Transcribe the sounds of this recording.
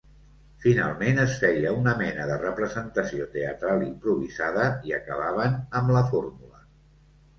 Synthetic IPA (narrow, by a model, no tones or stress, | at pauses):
fina̰lˠmenəsfɛjəunəmɛnəðərəpɾəzənt̪əsiot̪eə̰t̪ɾalˠimpɾuβizaðəiə̰kəβ̞aβ̞ənəmləformulə